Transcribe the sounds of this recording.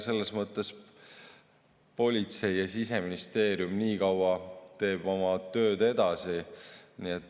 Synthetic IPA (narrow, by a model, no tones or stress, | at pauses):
se̞lːesmɤt̪ˑːe̞s | po̞lʲit̪se̞jːɑsise̞minist̪e̞ːɾjumniːkɑwɑt̪e̞ːb̥o̞mɑt̪ø̞ːd̪e̞d̪̥ɑsiniet̪ːˑ